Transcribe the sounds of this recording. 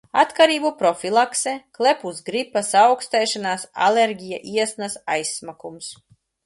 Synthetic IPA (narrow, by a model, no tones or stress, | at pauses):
at̪kaɾiːbupɾɔfʲilˠakseklˠepuzɡɾipasawkst̪ɛjʃanaːsa̰lʲeɾɡʲija̰ʔiɛsnasajsːmakums